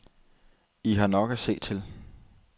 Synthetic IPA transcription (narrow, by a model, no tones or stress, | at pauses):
iɦɑ̈nɒ̽ɡ̥æse̝̰ːd̥̚t͡sʰe̝l